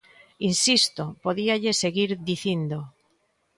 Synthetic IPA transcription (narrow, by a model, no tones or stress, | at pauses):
insist̪opoðiaʎeseɣiɾðiθind̪o